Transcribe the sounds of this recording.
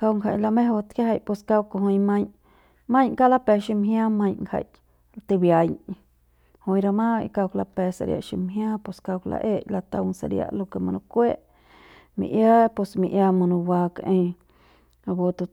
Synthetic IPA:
ka˧wŋɡha̰˨ʔla˧mẽ˦ɦo˧t̪kʲa˦ɦa˧˨pwe˧ska˦˧wko˧ɦõ˧jmã˦˧ɲ | mã˦ɲka˦la˦pɛ˧ʃi˧mɦj̃ã˦mã˧ɲŋkha̰˨jʔ | t̪i˧bja˨j | hõ˧ɾa˧mã˦˧ka˧wkla˧pɛ˧sa̰˨ɾja̰˧ʔʃi˧mɦj̃ãː˦pwe˧ska˧wkla̰˧ʔe˦˧˨ʔla˧t̪a̰˧wŋsa̰˧ɾja̰˧ʔlo˧ke˧˨mã˧nõ˧kʷe˦ʔ | mḭ̃˨ʔja˦pwe˧smḭ̃˧ʔja˧mã˧nũ˧waː˧kʔẽ˧ | a˧bo˧t̪u˧

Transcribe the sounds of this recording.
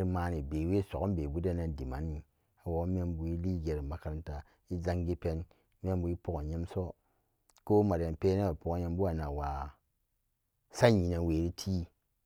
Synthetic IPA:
ɾmaː˦ni˨be˨we˦so̰˨knbe˨bu˦da˦na˨˦n˦di˨ma̰˨˦nːi˨ | a˨wo˨˦me˦mbu˨i˦li˦ɡe˨ɾma˨ka˨ɾi˦nta˨ | i˦za˦ŋɡi˦pe˦n | me˦mbu˨i˦po˦ɡo˨ɲe˦mso˦ | ko˦ma˨ɾja˨npeː˦na˦a˨po˨ko˨ɲe˦mbu˦a˨na˨wa˨ | sa˦ɲi˨na˨weː˨ɾi˦tʰi˦

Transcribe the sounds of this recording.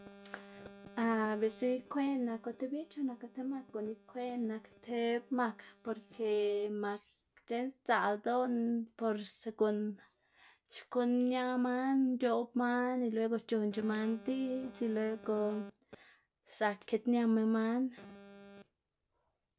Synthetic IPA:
a˧be˨si˧kʷe˦na˧ko˧t̪e˦bi˦t͡ʃo˧na˧ko˧t̪e˦ma˧k̚ɡo˨ni˧kʷe˦na˧kt̪ʰe˧bma˧kpo˧ɾkʰe˧ma˧k | t͡ʃe˦nst͡sa˨ld̪o˦npo˧ɾse˧ɡo˧n | t͡ʃko˧nːja˦ma˦nd͡ʒo˧bma˦ni˧lwe˧˦ɡo˧t͡ʃo˧nt͡ʃe˧ma˧nd̪i˦t͡ʃi˧lwe˦ɡo˧ | sa˧kʰːe˧t̪nja˧me˧ma˦n

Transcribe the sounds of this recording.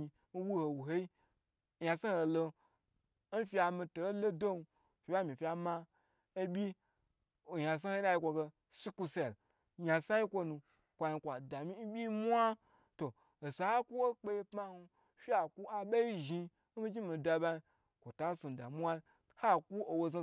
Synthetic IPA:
i˧ | n̩˦wu˦ho˨wu˨ɦe˦i˦ | ja˧sa˦ho˨˧lo˧˦ | n̩˦fi˦a˧mi˧to˨o˦lo˦do˦nu˧ | fʲi˨˦ba˦mʲi˨fʲi˧˦a˧˨ma˦ | e˦bʲi˦ | o˨ja˨s̬a˦ho˦i˦na˧ji˧kʷo˧ɡe˧ | si˦ku˧se˦˨l | ja˨sa˦ji˦kʷo˧nũ˧ | kʷa˧ji˧kʷa˨da˨mi˦n̩˦bʲi˦mu˦a˦ | to˨ | o˨sa˨ha˦kʷu˦wo˦k͡pe˧ji˧pma˦hu˧ | fi˦a˨ku˦a˨ba˦i˦ʒi˧ | n̩˦mi˦d͡ʒi˦mi˨˧da˧ba˧i˧ | kʷo˨ta˨˦so˨n˨da̰˨mu˦wa˦i˦ | ha˦˨kʷu˦o˨wo˧za˧

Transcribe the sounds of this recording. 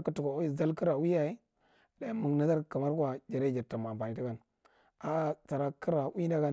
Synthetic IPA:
ku˦tu˨ka˨˦i˦˨za˦lki˦ɾa˨wi˦ja˨i˦ | da˦mu˨na˦za˦ɾka˨ma˦ɾkʷa˨d͡ʒa˨ɾe˦d͡ʒi˨ɾta˨ma˨ba˨i˨ti˦ɡa˦n | a˨˦ta˨ɾa˦ki˦ɾa˨wi˦da˦ɡa˦

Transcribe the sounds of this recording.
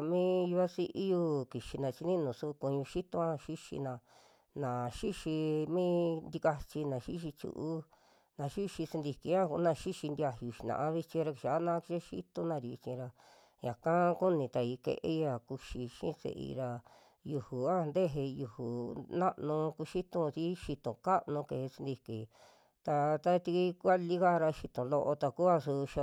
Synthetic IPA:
mĩ˦˧ju˧a˦si˧ʔi˦ju˦˧ki˨ʃi˧nã˨˧t͡ʃi˧nĩ˦nũː˨su˦˧ku˧ɲũ˧ʃi˦t̪õ˧˦ã˦˧ʃi˦ʃḭ˧nã˧ | nã˨ʃi˦ʃi˧mĩː˦nd̪i˧ka˧t͡ʃi˧nã˨ʃi˦ʃ̬i˧t͡ʃṵ˧ʔu˦ | nã˨ʃi˦ʃi˧se˧nd̪i˧ki˧˦ã˦ku˧˦nã˧ʃi˦ʃi˧nd̪i˧a˧ju˧ʃi˨nã̰˨ʔã˧βi˧t͡ʃĩ˧ɾa˧ki˧ʃa˨˦nã˦˧˦ki˧ʃi˦˧ʃḭ˦t̪õ˦nã˧ɾi˨˧t͡ʃĩ˧ɾa˧ | jã˨kã˦ku˦nĩ˧t̪a˧i˧kḛ˧ʔe˦a˧˨ku˧ʃi˧ʃḭ̃˦sḛ˧ʔḭ˧ɾa˧ | ju˧hu˨a˦˧nd̪e˦ɦe˧ju˧hu˨nã˦ʔnũ˧ku˧ʃi˦t̪ũ˧si˦ʃi˧t̪õ˨ka˦ʔnũ˧ke˨e˧si˧nd̪i˧ki˨ | t̪a˧t̪a˦t̪i˧ki˦ku˦a˦li˦ɣa˦˧ɾa˧ʃi˧t̪õ˨lo˧ʔo˧t̪a˧ku˦a˧su˧ʃa˧

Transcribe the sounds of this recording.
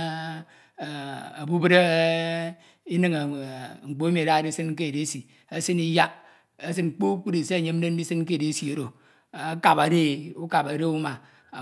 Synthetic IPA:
a̰˨bu˦bɨ˦ɾe˦ | i˦nɨ˦ŋe˨ŋ͡m̩˨k͡po˦mi˨da˦˨di˦sɨ˦nŋ̩˦k̬e˦˨de˨˦si˨ | e˦sɨ˦ni˦ja˦ | e˦s̬ɨ˦n˨k͡po˦k͡pu˦di˨se˦˨ɲe˦m̩˦e˦n̩˦i˦sɨ˦nŋ˦k̬e˦˨de˨˦si˨o˨ɾo˨˦ | ka˨pa˨ɾe˦u˦ka˨pa˨ɾe˦u˦ma˨

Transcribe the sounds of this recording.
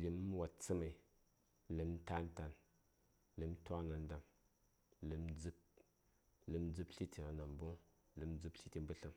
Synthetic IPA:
li˨m˦wa˨tt͡sɨ˦ma˨i˨ | li˨m˦ta˦n˦ta˨n | li˨˦m˦tʷa˦na˨n˦da˨m | lɨ˨˦md͡zɨ˦k̚ | lɨ˨˦md͡zɨ˦pɬi˦ti˨a˨na˨mbo˦ŋ | lɨ˨m˦d͡zɨ˦pɬi˦ti˧m˦bə˦ɬɨ˨m

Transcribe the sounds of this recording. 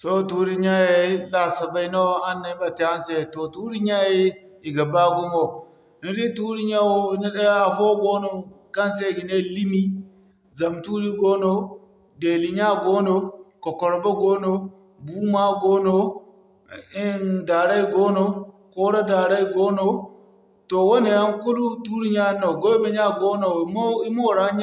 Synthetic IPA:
to˦tu˦ɾi˦ɲa˦je˦la˨sa˨ba˨i˦no˦a˦nːe˨˦ba˨te˨a˦nse˦˨to˨tu˦ɾi˦ɲa˦je˦ | i˨ɡa˨ba˦ɡu˦mo˨ | ni˨˦ɾi˦tu˦ɾi˦ɲa˦wo˦ne˦ɗe˦a˨fo˦ɡo˦no˦˨ | ka˦nse˦˨ɡi˨ne˦˨li˦mi˦ | za˨mtu˦ɾi˦ɡo˦no˦ | de˨li˨ɲa˦ɡo˦no˨ko˨ko˨ɾbo˦ɡo˦no˦ | bu˦ma˦ɡo˦no˦ | i˦nda˨ɾa˦i˦ɡo˦no˨ | ko˦ɾa˦da˨ɾa˦i˦ɡo˦no˨ | to˨wo˦ne˨a˦nku˦lu˦tu˦ɾi˦ɲa˦no˨ɡo˦me˨ɲa˦ɡo˦no˨˦m˦i˦mo˦˨ɾa˦ɲ˦

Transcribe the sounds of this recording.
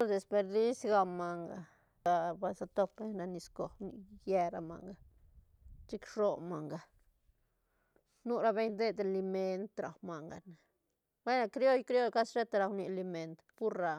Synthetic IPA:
o˦ɾd̪e˨spe˧ɾd̪i˦sɡa˧ma˨ŋɡa˨ | a˧ba˧sa˧t̪o˧pbe˧˦ɲɾa˧ni˧sko˨nḭ˧je˧ɾa˧ma̰˨ŋɡa˨ | t͡ʃi˦kʃo˧ma˨ŋɡa˨ | nu˦ɾa˦be˧jnd̪e˦d̪e˨li˧me˧nt̪ɾa˨wma˨ŋɡa̰˨na˨ | wʷe˦na˧kɾjo˦jkɾjo˦jka˦sʃe˦t̪a˧ɾa˧wni˧li˧me˨nt̪pu˦ɾɾa˧

